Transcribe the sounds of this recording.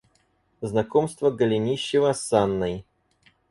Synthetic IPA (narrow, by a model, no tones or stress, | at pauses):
znɐkomst̪vəɡəlʲɪnʲiɕːɪvəsanːəj